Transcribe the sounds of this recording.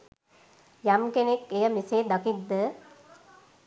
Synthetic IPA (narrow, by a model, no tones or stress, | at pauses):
jamkenekːejəmiseːd̪ɐkid̪ːə